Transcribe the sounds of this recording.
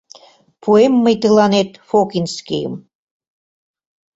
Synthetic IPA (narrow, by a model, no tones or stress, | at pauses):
pʰuemːəjt̪əlɑnet̪fokinskḭjə̰m